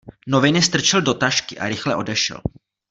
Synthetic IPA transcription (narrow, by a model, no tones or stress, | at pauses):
novɪnɪst̪r̩t͡ʃɛldo̞t̪aʃkɪʔa̰ɾɪxlɛʔo̞dɛʃɛ̰l